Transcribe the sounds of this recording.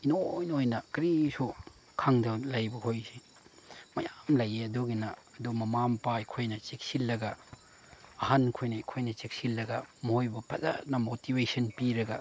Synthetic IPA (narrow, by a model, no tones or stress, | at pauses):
inojnojnɐkɾisu | kʰaŋdɐlajbɐhojsi | mɐjamlɐjeɐduɡinɐɐdumɐmampaikʰojnɐt͡ʃek̚silːɐɡɐ | ɐhankʰojnɐikʰojnɐt͡ʃek̚silːɐɡɐmɐhojbɐpɐza̰nɐmotibesɐnpiɾɐɡɐ